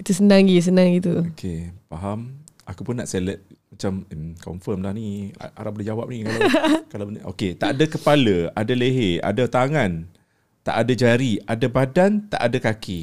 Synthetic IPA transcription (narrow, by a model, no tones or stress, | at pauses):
it̪usənãŋɡis̬ənãŋit̪uokʰepaɦam | akupʊnːaʔselət̪̚ | mat͡ʃamkɔ̰mfəmlahnḭʔa̰ɾabəld͡ʒawap̚nikalakalabəo̰ket̪aʔadakəpaləadaleɦea̰dat̪aŋan | t̪a̰ʔadad͡ʒaɾiadabadant̪a̰ʔadakakʰi